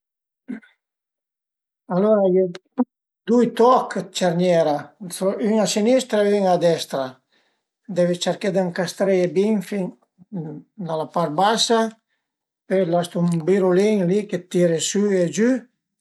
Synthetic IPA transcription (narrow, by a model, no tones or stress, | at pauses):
aloɾaje | d̪ujt̪ɔkt͡ʃaɾɲɛɾasoyŋasinist̪ɾaiŋad̪ɛst̪ɾa | d̪ɛvet͡ʃaɾked̪aŋkast̪ɾebiŋfi | d̪alapaɾt̪̚basa | pelast̪umbiɾuliŋliket̪ːiɾesyed͡ʒy